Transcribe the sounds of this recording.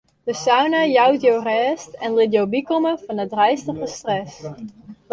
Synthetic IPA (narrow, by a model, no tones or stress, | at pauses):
dəsawnajawtjowrɛstɛnlɪdjobikoməvɑnədrɛjstəχəstrɛs